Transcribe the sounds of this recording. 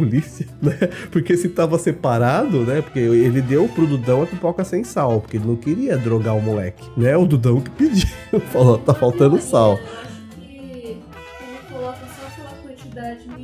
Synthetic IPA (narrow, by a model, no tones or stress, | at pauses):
olisiɐnɛpoɾkesɪt̪avɐsepaɾad̪ʊnɛpoɾkeelɪd̪ewʊpɾʊd̪ud̪ɐ̃w̃ɐt̪upɔkɐsẽj̃sawpoɾkelɪnɐ̃w̃kɪɾiɐd̪ɾoɡaʊmulɛ̰kɪ̥nɛʊd̪ud̪ɐ̃w̃kɪ̥pid͡ʒifalot̪afawt̪ɐ̃nʊsaw | elkolɔkɐsɔ̃sũmɐkwɐ̃nt͡ʃid̪ad͡ʒɪ